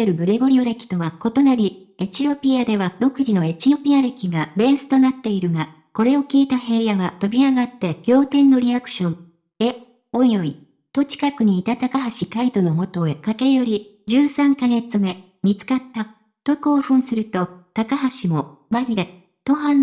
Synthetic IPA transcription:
eɾɯ̟ɡɯ̟ɾeɡo̞ɾʲioɾe̞kʲi̥t̪o̞βako̞t̪o̞naɾʲi | e̞t͡ɕio̞pʲiad̪e̞βad̪o̞kɯ̟ʑino̞e̞t͡ɕio̞pʲiaɾe̞kʲiɡabe̞ːsɨ̥t̪o̞nat̪ːe̞iɾɯ̟ɡa | ko̞ɾe̞o̞kʲiːt̪aɦe̞ːjaβat̪o̞bʲiaɡat̪ːe̞ɡ̥ʲo̞ːt̪ẽ̞nːo̞ɾʲiakɯ̟̥ɕõ̞n | e̞ | o̞jo̞i | t̪o̞t͡ɕi̥kakɯ̟ɲ̟iːt̪at̪akaɦaɕikait̪o̞no̞mo̞t̪o̞ekake̞ɾɯ̟jo̞ɾʲid͡ʑɨːsãŋkaɡe̞t͡sɨme̞ | mʲit͡sɨ̥kat̪ːa | t̪o̞kɯoːɸɯ̟̃ɰ̃sɨɾɯ̟t̪o̞t̪akaɦaɕimo̞maʑid̪e̞ | t̪o̞ɦãn

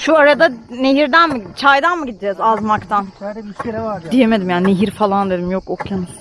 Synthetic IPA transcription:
ʃuaɾad̪ane̞ɦiɾd̪ænmɯt͡ʃʰajd̪anmɯɟid̪id͡ʒɛzazmakt̪ʰan | d̪ijemed̪imjaːnne̞ɦiɾfalˠand̪e̞d̪imjokokʰjanɯz

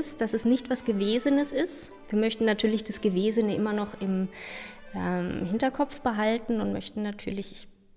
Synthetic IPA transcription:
sd̥asɛsnɪçtv̥asɡ̥əveːzənəsɪst | viːɐmœçtn̩natʰyːɐlɪçd̥asɡ̥əveːzənəʔɪmɐnɔχɪm | ʔɛmɦɪntɐkʰɔpp͡fb̥əɦaltn̩ʊntmœ̰çtn̩natʰyːɐlɪç

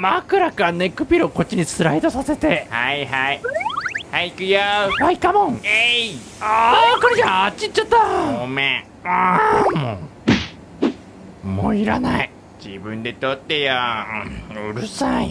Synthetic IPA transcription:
makɯ̟ɾakane̞kːɯ̟pʲiɾoko̞t͡ɕːiɲ̟it͡sɨɾaid̪osase̞t̪e̞haiɦai | haikɯ̟jabaikamõŋe | aakaɾed͡ʑaat͡ɕit͡ɕːat̪ːaome | amo̰ | moiɾa̰nai | d͡ʑibɯ̟̃nd̪e̞t̪ot̪ːeja | ɯ̟ɾɯ̟sai

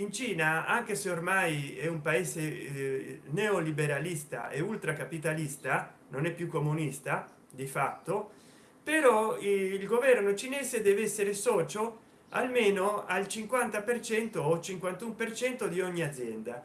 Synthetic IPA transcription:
int͡ʃiːnaaŋk̟eseormajɛumpaeːze | neolibeɾalist̪a̰ʔeult̪ɾakapit̪alist̪a | nonɛpːjukːomunist̪a | d̪ifat̪ːo | peɾɔilɡovɛrnot͡ʃineːzed̪ɛːvɛsːeɾesɔːt͡ʃo | a̰lmeːnoalt͡ʃiŋkwant̪apert͡ʃɛnt̪oːt͡ʃiŋkwant̪umpert͡ʃɛnt̪od̪iɔɲːiad̪zːjɛnd̪a

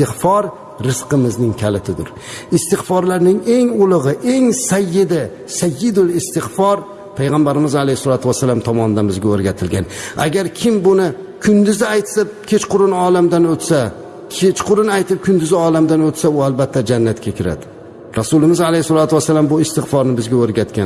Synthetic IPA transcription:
ɪfɒɾ | ɾɪsqɨmɪznɪŋkʲʰalɪt̪ʰɪd̪ʊ̰ɾ | ɪst̪ɪχfɒɾlaɾnɪŋe̞ŋʊlˠɨʁɨʔe̞ŋsajːɪd̪ɪ | sajːɪd̪ʊlˠɪst̪ɪχfɒɾ | pʰajʁambaɾɪmɪzalejsɒlˠat̪ʰʊwasːalamt̪ʰɒmɒnd̪anbɪzɡʲaɵɾɡʲat̪ʰɪlɡʲana̰ɡʲaɾkʲʰɪmbʊnɪ | kʰʊnd̪ɪzɪajt̪sap̚kʲʰe̞t͡ʃqʊɾɪnɒlamd̪anɵt̪sa | kʲʰet͡ʃqʰʊɾɪnajt̪ʰɪp̚kʰʲʊnd̪ɪzɪɒlamd̪anɵt̪saʊalbat̪ʰːad͡ʒanːat̪kʲʰakʲʰɪɾa̰d̪ɪ | ɾasʊlɪmɪzalejhsɒlˠat̪uwasːalambʊɪst̪ɪχfɒɾnɪbɪzɡʲaɵɾɡʲat̪kʲa̰n

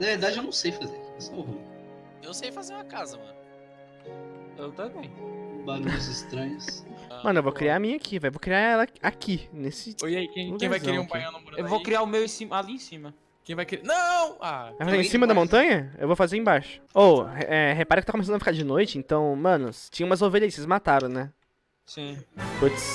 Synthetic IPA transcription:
nɐveɾd̪ad͡ʒɪewnɐ̃w̃sejfazeɾɐkiɐsvu | ewsejfazeɾũɐkazɐmɐ̰̃n | ewt̪at̪ẽt̪balũɐzɪst̪ɾɐ̃ɲʊsmɐ̃nʊewvowkɾiamĩakʰivajvowkɾiaɛlɐakinesɪoijaikẽj̃uẽjvajzkɪɾeɾũpãjɐ̃nɐ̃moɾewvowkɾiaɾʊmewẽsĩmaliẽsĩmɐ | kẽj̃vajkeɾenɐ̃w̃a̰ajfazeɾẽsĩmɐd̪ɐmõnt̪ɐ̃ɲɐḛwvowfazeɾẽbaʃʊ̥owhʔɛɦepaɾʊkɪt̪akomesɐ̃d̪ɐfikaɾd͡ʒɪnojt͡ʃɪẽnt̪ɐ̃w̃mɐ̃nʊst͡ʃĩɲɐ̃ũmɐzovelʎiɐsezmat̪aɾɐ̃w̃nɛ | sĩput̪s

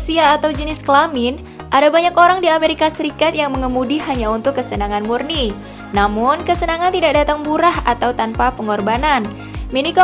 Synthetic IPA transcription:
siaːt̪awd͡ʒənɪskəlamɪn | ʔadabaɲakoɾaŋdiameɾikasəɾikat̪jaŋməŋəmudiɦaɲaunt̪ʊkːəsənaŋanmurni | namʊnkəsənaŋant̪idak̚dat̪aŋbuɾahat̪awt̪anpapəŋɔrbanan | meniko

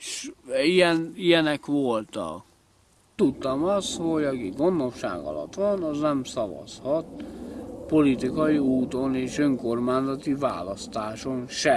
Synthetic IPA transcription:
ʃijɛnijɛnɛkʋolt̪ɒ̰k | t̪ut̪ːɒmɒst̪ho̞ɟɒkiɡo̞nːofʃa̰ːɡɒ̰lɒ̰t̪ʋɒnɒznɛmsɒvɒ̰shɒt̪ | po̞lit̪ikɒjiuːt̪o̞neːʃøŋko̞rmaːnzɒt̪iva̰ːlɒst̪aːʃo̞nʃɛ

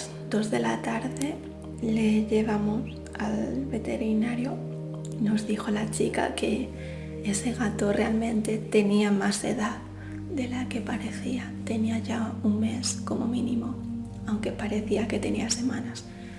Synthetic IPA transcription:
z | d̪o̞zðe̞lat̪aɾðe̞ | le̞ʝe̞β̞amos | alβe̞t̪e̞ɾinaɾjo | no̞zðixo̞lat͡ʃika̰ke̞ | ese̞ɣat̪o̞re̞almẽ̞nt̪e̞t̪e̞niamase̞̰ðað | ðe̞lake̞paɾe̞θiat̪e̞niaʝauŋme̞sko̞mo̞̰mĩnimo̞ | awŋke̞paɾe̞θiake̞t̪e̞niase̞mãnas

